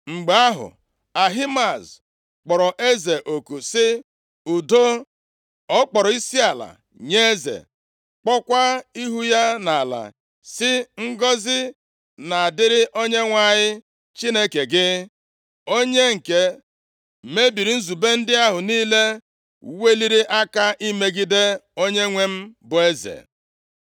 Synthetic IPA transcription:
ŋ͡m̩˨ɡ͡ba˦ɦʊ̰˨ | a˨ɦi˦ma˨z | k͡pɔ˨ɾɔ˨ʔe˦ze˨ʔo˨ku˨sɪ˦ | u˨do˦ | ɔ˦k͡pɔ˨ɾɔ˨i˦si˦a˨la̰˨ | ɲe˦zḛ˨ | k͡pɔ˦kʷa˦i˦ɦu˦ja˦na˨la̰˨ | sɪ˦ŋ̩˦ɡɔ˦zɪ˦ | na˨a˨dɪ˦ɾɪ˦ʔo˦ɲe˦ŋʷa˨ɲɪ˦ | t͡ʃi˦ne˦ke˨ɡɪ˦ | o˦ɲe˦ŋ̩˨ke˦˨ | me˦bi˨ɾi˨˦n̩˦zu˨be˦n̩˦dɪ˦a˦ɦʊ˨niː˦le˦ | we˦li˦ɾi˦ʔa˦ka˦ʔi˦me˦ɡi˦de˦o˦ɲe˦ŋʷe˦m̩˦bʊ˨e˦zḛ˨

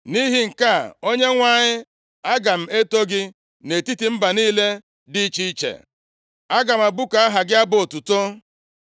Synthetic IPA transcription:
ni˦ɦi˦ŋ̩˨ka˦˨o˦ɲe˦ŋʷa˦˨ɲɪ˦ | a˦ɡa˨m̩˨e˦to˦ɡɪ˦ | ne˨ti˦ti˨m̩˦ba˨niː˦le˦ | di˦t͡ʃi˦i˦t͡ʃḛ˨ | a˦ɡa˨m̩a˨bu˦ka˨a˦ɦa˨ɡɪ˦a˦bo˨tu˨to˦

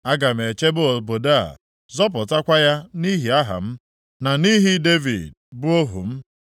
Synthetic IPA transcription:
a˦ɡa˨m̩˨e˨t͡ʃe˦bo˦o˨bo˨da˦a̰˨ | zɔ˦p̬ʊ˨ta˦kʷa˦ja˦ni˦ɦi˨a˦ɦa̰˨m̩˦ | na˨ni˦ɦi˦de˦vḭ˨d̚ | bʊ˦o˦ɦṵ˨m̩˦

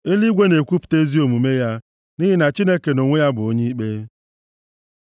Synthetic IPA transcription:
e˦li˦ɡʷe˦ne˨kʷu˦pʊ̥˨te˦zi˦o˨mu˨me˦ja˦ | ni˦ɦi˦na˨t͡ʃi˦ne˦ke˨no˨ŋʷe˦ja˦bʊ˨o˦ɲi˦i˦k͡pe˦

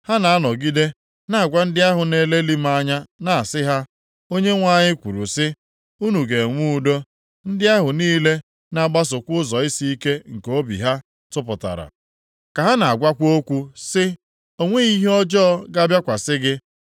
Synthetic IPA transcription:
ha˦na˨a˦nɔ˨ɡi˦de˦ | na˦a˨ɡʷa˦n̩˦dɪ˦a˦ɦʊ˨ne˨le˦li˦ma˦ɲa˦na˨a˨sɪ˦ɦa˦ | o˦ɲe˦ŋʷa˦˨ɲɪ˦kʷu˨ɾṵ˨sɪ˦ | u˦nu˨ɡe˨ŋʷu˦u˨do˦ | n̩˦dɪ˦a˦ɦʊ˨niː˦le˦ | na˦˨ɡ͡ba˦s̬ʊ˨kʷʊ˦zɔ˨i˦si˦i˦ke˦ŋ̩˨ko˦bḭ˨ɦa˦ | tʊ˦pʊ˨ta̰˨ɾa̰˨ | ka˨ɦa˦na˨a˨ɡʷa˦kʷo˦kʷu˦sɪ˦ | o˦ŋʷe˦i˦ɦɔ˦d͡ʒɔ˦ɡa˦bja˦kʷa˨sɪ˦ɡɪ˦

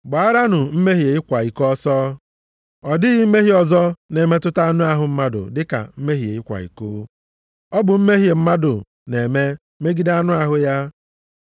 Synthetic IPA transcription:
ɡ͡ba˨a˦ɾa˦nʊ˨m̩˦me˦ɦi˨e˨i˦kʷa˨i˨kɔɔ˦sɔ˦ | ɔ˨dɪ˦ɣi˦m̩˦me˦ɦi˦ɔ˨zɔ˦ne˨me˦tʊ˦ta˦a˦nʊ˦a˦ɦʊ˨m̩˦ma˦dʊ̰˨dɪ˦ka̰˨m̩˦me˦ɦi˨e˨i˦kʷa̰˨ḭ˨koː˦ | ɔ˦bʊ˨m̩˦me˦ɦje˨m̩˦ma˦dʊ̰˨ | ne˨me˦ | me˦ɡi˦da˦nʊ˦a˦ɦʊ˦ja˦

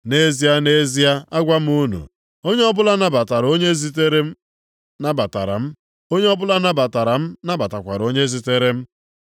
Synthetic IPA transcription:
ne˦zi˦a˦ne˦zi˦a˦a˦ɡʷa˦m̩˦u˦nṵ˨ | o˦ɲe˦ɔ˦bʊ˦la˦na˦ba˨ta˨ɾo˦ɲe˦zi˦te˦ɾe˦ | na˦ba˨ta̰˨ɾa̰˨m̩˦ | o˦ɲe˦ɔ˦bʊ˦la˦na˦ba˨ta˨ɾa˨m̩˦na˦ba˨ta˨kʷa˨ɾo˦ɲe˦zi˦te˦ɾe˦m̩˦

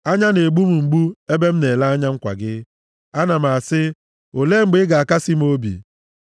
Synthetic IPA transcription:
a˦ɲa˦ne˨ɡ͡bu˦mu˨ŋ͡m̩˨ɡ͡bu˦e˦be˦m̩˦ne˨la˦a˦ɲa˦ŋ͡m̩˦kʷa̰˨ɡɪ˦ | a˦na˨m̩˨a˨sɪ˦ | o˨le˦ŋ͡m̩˦ɡ͡bɪ˦ɡa˨a˨ka˦si˦m̩˦o˦bḭ˨

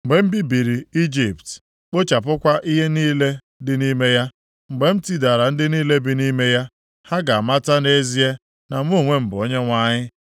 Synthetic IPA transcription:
m̩˨ɡ͡be˨m̩˦bi˦bi˨ɾi˨i˦d͡ʒi˨pt | k͡po˦t͡ʃa˨p̬ʊ˦kʷa˦ʔi˦ɦe˦niː˦le˦ | dɪ˨ni˦me˦ja˦ | ŋ͡m̩˨ɡ͡be˨m̩˦ti˦da˨ɾa˨n̩˦dɪ˦niː˦le˦bɪ˦ni˦me˦ja˦ | ha˦ɡa˨a˨ma˦ta˦ne˦zi˦e˦ | na˨m̩˦u˦˨ŋʷe˦m̩˨bʊ˨ɔ˦ɲe˦ŋʷa˦ɲɪ˦

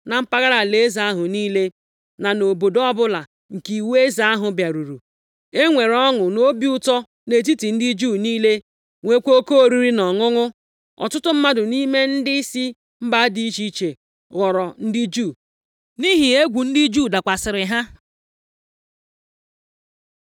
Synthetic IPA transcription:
na˨m̩˦pa˦ɣa˦ɾa˨le˨˦za˨a˦ɦʊ˨niː˦le˦ | na˨no˨bo˨dɔ˦bʊ˦la˨ | ŋ̩˨ki˨we˦za˦a˦ɦʊ˨bja˨ɾu˨ɾu˨ | e˦ŋʷe˨ɾɔ˦ŋʊ˨no˦bi˦ʊ˦tɔ˦ | ne˨t̬i˦ti˨n̩˦dɪ˦d͡ʒuː˦˨niː˦le˦ | ŋʷe˨kʷo˦o˦ko˦o˨ɾi˦ɾi˦nɔ˨ŋʊ˦ŋʊ˦ | ɔ̰˨tʊ˦tʊ˦m̩˦ma˦dʊ˨ni˦me˦n̩˦dɪ˦i˦si˦ | m̩˦ba˦di˦i˦t͡ʃi˦t͡ʃe˨ | ɣɔ˨ɾɔ˨n̩˦dɪ˦d͡ʒuː˦˨ | ni˦ɦi˨e˦ɡʷu˨n̩˦dɪ˦d͡ʒu˦˨da˨kʷa˨sɪ˨ɾɪ˨ɦa˦

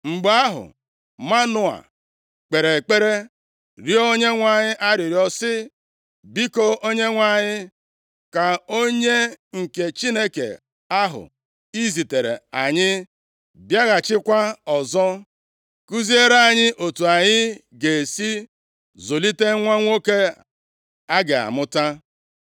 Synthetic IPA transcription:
ŋ͡m̩˨ɡ͡ba˦ɦʊ̰˨ | ma˦nʊ˦a̰˨ | k͡pe˨ɾe˨k͡pe˦ɾe˦ | ɾi˦o˦ɲe˦ŋʷa˦˨ɲɪ˦ʔa˦ɾɪ˨ɾjɔ˦sɪ˦ | bi˦ko˦o˦ɲe˦ŋʷa˦˨ɲɪ˦ | ka˨o˦ɲe˦ŋ̩˨ke˨t͡ʃi˦ne˦kḛ˨ | a˦ɦʊ̰˨ | i˦zi˨te˨ɾḛ˨a˨ɲɪ˦ | bja˦ɣa˨t͡ʃɪ˦kʷa˦ɔ˨zɔ˦ | ku˦zi˦e˦ɾa˦˨ɲɪ˦ʔo˨tu˨a˨ɲɪ˦ | ɡe˨e˨si˦ | zo˨li˦te˦ŋʷa˦ŋʷo˦ke˦ | a˦ɡɪ˨a̰˨mʊ˦ta˦

